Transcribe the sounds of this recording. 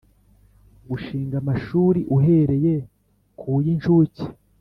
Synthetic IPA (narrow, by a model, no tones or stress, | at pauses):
ɡuʃiːŋɡamaʃuːɾiʔuɦe̞ɾe̞je | kʰujint͡ʃuci̥